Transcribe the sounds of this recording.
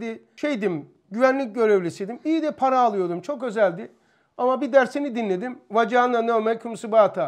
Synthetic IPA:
d̪i | ʃejd̪im | ɟyvænlʲic̚ɟø̞ɾevlʲesid̪imijid̪ɛpʰaɾaːlˠɯjo̞d̪umt͡ʃʰo̞kø̞zælʲd̪i | amabid̪æɾsenid̪inlʲed̪imvad͡ʒaɯnd̪anømɛkʰumsɯbaat̪ʰa

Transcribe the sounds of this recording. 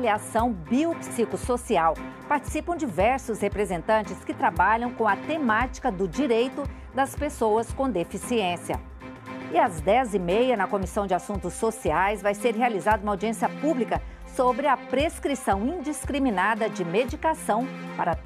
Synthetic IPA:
liasɐ̃w̃biopsikʊsosiawpaɾt͡ʃi̥sipɐ̃w̃d͡ʒivɛɾsʊshepɾezẽnt̪ɐ̃nt͡ʃɪskɪt̪ɾabaʎɐ̃w̃kõɐt̪emat͡ʃi̥kɐd̪ʊd͡ʒiɾejt̪ʊ | d̪ɐspesowɐskõd̪efisiẽsiɐ̰ | ɪɐzd̪ɛzɪmejɐnɐkomisɐ̃w̃d͡ʒɪasũnt̪ʊsosiajzvajseɾɦealizad̪ɐũmawd͡ʒiẽsiɐpublikɐ | sobɾɪɐpɾeskɾisɐ̃w̃ĩd͡ʒiskɾimĩnad̪ɐd͡ʒɪmed͡ʒikasɐ̃w̃pa̰ɾɐ

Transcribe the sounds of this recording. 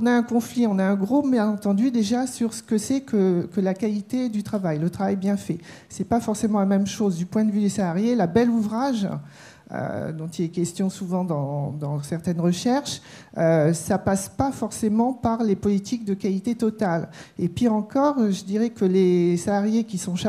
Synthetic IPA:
ɔ̃naɛ̃kɔ̃fliɔ̃naɛ̃ɡʁomjɛ̃nɑ̃t̪ɑ̃d̪yd̪eʒasyʁsə̥kəsɛkʰəkəlakalit̪ed̪yt̪χavajlət̪χavajbjɛ̃fɛ | sɛpafɔʁsemɑ̃lamɛmʃozd̪ypwɛ̃d̪əvyd̪esalaʁjelabɛluvʁaʒ | ø̰d̪ɔ̃t̪ilɛkʲɛst̪jɔ̃suvɑ̃d̪ɑ̃d̪ɑ̃sɛʁt̪ɛnʁəʃɛʁʃ | øsapaspafɔʁsemɑ̃paʁlepɔlit̪ʰik̚d̪əkalit̪et̪ɔt̪alepiʁɑ̃kɔʁʒəd̪iʁɛkəlesalaʁjekʲisɔ̃

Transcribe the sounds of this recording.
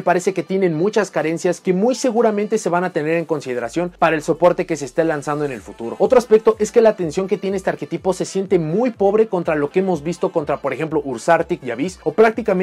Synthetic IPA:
paɾe̞se̞ke̞t̪je̞ne̞nmut͡ʃaskaɾe̞nsjaske̞mujse̞ɣuɾamẽnt̪e̞se̞βanat̪e̞ne̞ɾe̞ŋko̞nsið̞e̞ɾasjo̞npaɾaelso̞po̞ɾt̪e̞ke̞se̞ːst̪elansand̪oe̞ne̞lfut̪uɾo̞̰ot̪ɾoaspe̞k̚t̪o̞ʔe̞ske̞laːt̪e̞nsjo̞ŋke̞t̪je̞neest̪eaɾke̞t̪ipo̞se̞sje̞nt̪e̞mujpo̞βɾe̞ko̞nt̪ɾalo̞keemo̞zβist̪o̞ko̞nt̪ɾapo̞ɾexe̞mplo̞ʔuɾsaɾt̪ikjaβiso̞pɾak̚t̪ikamẽ

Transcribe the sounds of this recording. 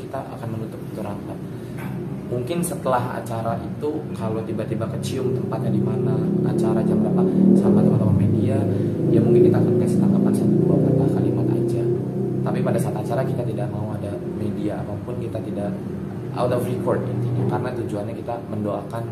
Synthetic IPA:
kit̪aʔa̰kanmənut̪ʊp̚t̪uɾaŋkat̪̚ | muŋkɪnsət̪əlaɦa̰t͡ʃaɾaʔit̪ukalowt̪ibaʔt̪ibakːət͡ʃiʊŋt̪əmpat̪̚ɲadimanaa̰t͡ʃaɾad͡ʒabəɾapasamkat̪amat̪aamediajaŋmuŋkɪnkit̪aːkanpəsə̥t̪akap̪ansat̪ubuakərt̪ahkalimat̪a̰d͡ʒaət̪apipadasat̪uat͡ʃaɾakit̪at̪idaʔ̚mauada | mediaːpapʊnkit̪at̪idaʔ | a̰wt̪ɔfrikɔrd̚it̪inakaɾənat̪ud͡ʒuanɲakit̪aməndoakan

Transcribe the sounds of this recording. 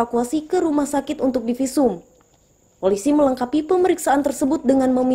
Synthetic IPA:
akuasikəɾumahsakɪt̪unt̪ʊk̚difisuʊm | polisimələŋkapipəməɾiksaʔant̪ərsəbʊt̪̚dəŋanməmi

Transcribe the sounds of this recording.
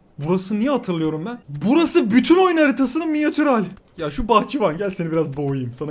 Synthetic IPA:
buɾasɯnijɛɦat̪ʰɯɾlˠɯjo̞ɾumbænbuɾasɯbyt̪ʰyno̞jnaɾit̪ʰasɯnɯmijat̪ʰyɾɦaːlʲɪjaʃubaxt͡ʃʰivanɟælʲsenibiɾazbojjɯmsan

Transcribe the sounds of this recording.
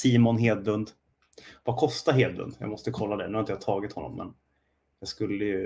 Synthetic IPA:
siːmʊnɦeːd̪vɵnd̪ | vakʰɔst̪aɦeːd̪̚bɵ̰nd̪jɑ̰ɡmɔst̪əkʰɔlːad̪ɛnʉːhaɪt̪jahat̪ʰɑːɡɪt̪hɔnːɔ̰mːʔɛ̰n | jɑɡskɵlːəjɵ

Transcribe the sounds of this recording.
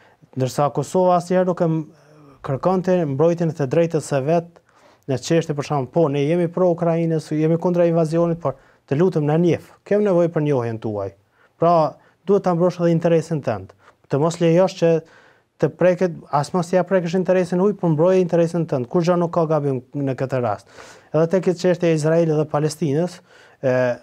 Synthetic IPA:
nd̪əɾsakɔsɔvaːsihɛɾnukːɛm | kəɾkɔnt̪imbɾɔjt̪̬ɛnɛt̪əd̪ɾɛjt̪əsɛvɛt̪̚ | nɛt͡ʃɛʃt̪jɛpəɾʃanpɔnɛjɛmipɾɔukɾainəsjɛmikund̪ɾainvaziɔnit̪̚pɔɾ | t̪əlut̪ɛmnanjɛf | kɛmnɛvɔjɛpəɾnɔhɛnt̪ua̰j | pɾa | d̪uhɛt̪ːambɾɔʃɛðɛint̪ɛɾɛsint̪ɛ̰nd̪ | t̪əmɔslɛjɔʃt͡ʃə | t̪əpɾɛkɛasmɔst̪iapɾɛkəʃ̬int̪ɛɾɛsinhujpəɾmbɾɔjaint̪ɛɾɛsinət̪ɛnd̪̚kuʃd͡ʒɔnukːɑɡabimnəkət̪əɾa̰st̪̚ɛðɛt̪ɛkit͡ʃɛʃt̪jɛais̬ɾaɛliðɛpalɛst̪inəs

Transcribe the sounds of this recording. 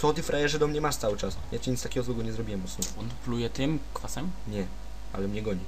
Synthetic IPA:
t̪ɔt̪ifɾajɛʐɛd̪ɔmɲɛmaʂt̪sawɘt͡ʂasjat͡ɕɛɲit̪t̪akʲɛɡɔzwɛɡɔɲɛzɾɔbʲiwɛmɔsumɛɔnplujɛt̪ɪmkfasɛmɲɛ | a̰lɛmɲɛɡɔɲi

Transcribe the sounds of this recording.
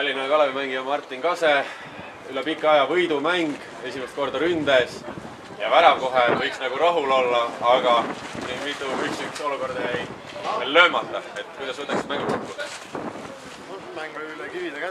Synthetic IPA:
t̪ɑlʲːinekɑlevemæŋɡiɑmɑrt̪ˑːinkɑse | ylɛpikːˑɑɑjɑvɤjd̪umæŋɡ̥ | e̞sʲimest̪̚ko̞rd̪̥ɑɾynd̪es | jɑvæɾɑmko̞ɦevɤjksnɑɡ̥uɾɑɦulo̞lːɑɑɡ̥ɑnimit̪ːˑuyksykso̞luko̞rd̪̥ɑjæj | ellø̞ːmɑt̪ːˑɑe̞t̪ːˑkujd̪ɑsuːt̪ːˑɑksi̥t̪mæŋɡimset̪pud̪es | mæŋɡlki̥

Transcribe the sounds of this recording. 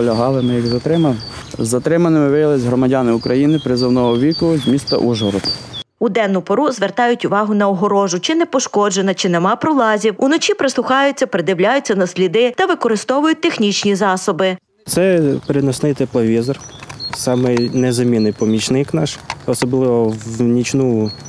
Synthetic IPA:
lʲɐɦɑlˠɪmɪjɐɡzɐt̪ɾɪmɐl | zːɐt̪ɾɪmɐnɪmɪʋɪjɐlˠɪzʲɦɾɔmɐdʲɑnɪʊkɾɐjinɪpɾɪzɐwnɔɦɔʋʲikʊzʲmʲist̪ɐ̰ʔuʒɦɔɾɔt̪ud̪ɛnːʊpɔɾuzʋert̪ɑjʊtʲʊʋɑɦʊnɐɔɦɔɾɔʒʊt͡ʃɪnɛpɔʃkɔd͡ʒenɐt͡ʃɪnɛmɑpɾɔlˠɑzʲiwunɔt͡ʃʲipɾɪsˠʊxɑjʊt͡sʲːɐpɾɪd̪ɪwlʲajʊt͡sʲːɐnɐsʲlʲid̪ɪt̪ɐʋɪkɔɾɪst̪ɔʋʊjʊt̚ʲt̪exnʲit͡ʃnʲizɑsɔbɪ | t̪sɛpɾɪnɔsnɪjt̪ɛplˠɐʋʲizɔrsɑmɪjnɛzɐmʲinɪjpɔmʲit͡ʃnɪknɑʃɔsɔblˠɪʋɔwnʲit͡ʃnu

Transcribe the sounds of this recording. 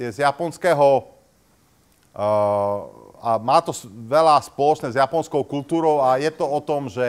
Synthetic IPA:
jɛzjapɔnskɛːɦɔ | amaːt̪ɔsʋɛlaspɔlɔt͡ʃnɛzjapɔnskɔʊkult̪uːɾɔʊajɛt̪ɔɔt̪ɔmʒɛ

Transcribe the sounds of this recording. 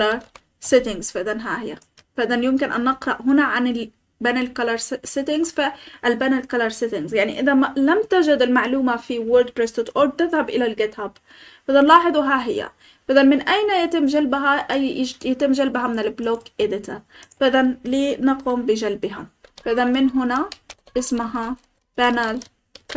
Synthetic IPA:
lɑɾˤ | sɪt̪ɪŋz̥faʔðanɦaːhɪjːa̰ | faʔðanjʊmkɪnʔanːɪqɾɑʔɦʊnaʕanɪl | banalkalɑɾˤsɪt̪ɪŋzfaʔalbanalkalɑɾˤsɪt̪ɪŋzjaʕniʔɪðamlamt̪aʒad̪ɪlmaʕluːmafiwʊɾd̪̚ɾɪst̪ɪt̪ʔoːɾ̚t̪ɪðhabʔɪlalɡɪt̪hab | b̥ɪd̪anlɑːħɨðˤuɦaɦɪjːa̰ | b̥aðanmɪnʔajnajat̪ɪmːʒalbaɦa | jat̪ɪmːʒalbɦamɪnɪlbloːkʔed̪ɪt̪abɪðanlinɑquːmbɪʒalbɪɦab̥aʔɪðanmːɪnɦʊnaʔɪsmaɦa | b̥anal

